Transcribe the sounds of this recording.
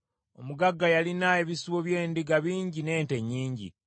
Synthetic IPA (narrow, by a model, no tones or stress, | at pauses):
omuɡaɡːajalinaeβisiβo̞βje̞ːndiɡaβiːɲɟine̞ːnte̞ɲːiːɲɟḭ